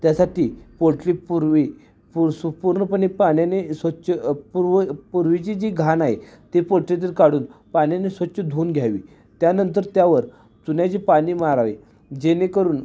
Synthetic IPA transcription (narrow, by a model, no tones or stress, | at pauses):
t̪jasaʈiːpoʈlipuɾʋi | puspuɾɳəpəɳ̃ipaɳjanesʋətːɕəpuɾpuɾʋit͡ɕid͡ʑiːɡʱanaɦe | t̪epoɭʈlet̪̬iːɾkaɽuːnpaɽ̃janesʋətːɕəd̪ʱuːnɡʱjaʋḭː | t̪janənt̪̬əɾt̪jaʋəɾ | t̪unjat͡ɕipaɽ̃iːmaɾaʋe | d͡ʑenekəɾuːn